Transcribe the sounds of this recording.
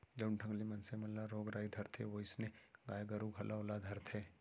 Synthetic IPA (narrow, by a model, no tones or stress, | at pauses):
d͡ʒɐʊɳʈʰə̃ŋɡlimɐnsemɐllaɾoːɡɾaːid̪ʱɐɾt̪ʰḛʋoɪsneɡaːjɡəɾuɡʱɐlaolad̪ʱɐɾt̪ʰeː